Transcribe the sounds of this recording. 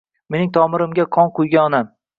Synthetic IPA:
me̞nɪŋt̪ʰɒmɪɾɪmɡʲaqʰɒnqʊjɡʲaɒnam

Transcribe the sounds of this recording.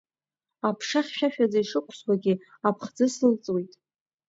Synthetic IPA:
apʰʂaχʲʃᶣaʃᶣad͡zaiʂɨkʷʰswaɡʲɪ | apʰχd͡zɨsɨlt͡sʼwejtʼ

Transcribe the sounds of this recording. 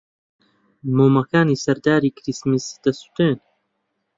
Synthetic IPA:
moːmɐkaːniːsɐɾd̪aːɾiːkɾismisd̪̥ɐst̪u̥t̪eːn

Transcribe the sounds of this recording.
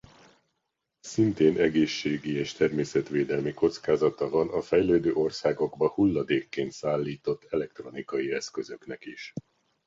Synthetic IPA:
sint̪eːnʔɛɡeːʃːeːɡieːʃt̪ɛrmeːsɛt̪ʋeːd̪ɛlmiko̞t̪skaːzɒt̪ɒvɒnɒfɛjløːd̪øːʔo̞rsaːɡo̞ɡbɒhulːɒd̪eːkːeːnt̪saːlːiːt̪o̞t̪ʰːɛlɛk̚t̪ro̞nikɒjiɛskø̞zø̞knɛkiʃ

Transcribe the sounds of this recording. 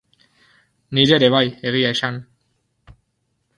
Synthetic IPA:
nid͡ʑeɾeβajeɣiajʃan

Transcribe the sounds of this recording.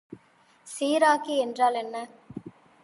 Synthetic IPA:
siːɾaːkiɛndraːlɛnːɐ

